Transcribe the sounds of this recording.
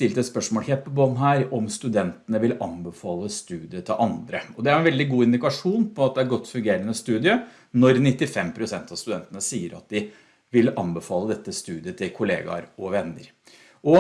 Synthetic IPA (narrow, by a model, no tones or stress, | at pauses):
st̪ɪlt̪ɛt̪spœʂmoːlçeːt̪̚pʰɔbɑːnɦæːɾɔmst̪ʉd̪ɛnt̪ənəʋɪlɑnbəfɑːlˠəst̪ʉːd̪ɪət̪ʰɪlʔɑnd̪ɾəɔd̪ɛæɾɛnʋɛld̪ɪɡuːɪnd̪ɪkɑʂuːnpʰɔɑt̪̚d̪ɛæɾɡɔt̪ːfʉŋɡeːɾənəst̪ʉːd̪ɪə | nɔɾnɪt̪ːɪfɛmpʰɾʊsɛnt̪ɑst̪ʉd̪ɛnt̪ənəsiːəɾʔɑ̰t̪̚d̪ɪ | ʋɪlɑnbəfɑːləd̪ɛt̪ːəst̪ʉːd̪ɪət̪ʰɪlkʰʊlḛːɡɑ̰ɾɔʋɛnːə̰ɾ | ʔɔ